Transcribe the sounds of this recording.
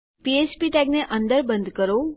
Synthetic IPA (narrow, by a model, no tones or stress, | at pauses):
piespiʈɛɡneʔə̃nd̪əɾbə̃nd̪kəɾo